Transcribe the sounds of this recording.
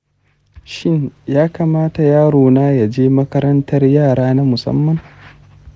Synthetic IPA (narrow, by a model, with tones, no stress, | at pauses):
ʃɪ˦ɲjaː˦kaː˨maː˦ta˨jaː˦ɽoː˨naː˦ja˨d͡ʒeː˦mɐ˦kɐ˦ɾɐ˦ntɐ˦rjaː˦˨ɽaː˦na˦mʊ˨sɐ̰˦mːɐ˨ŋ